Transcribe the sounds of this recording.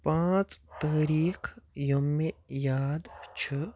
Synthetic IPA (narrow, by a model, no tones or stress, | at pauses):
pãːt͡st̪əːɾiːkʰjomːejaːd̪t͡ʃʰə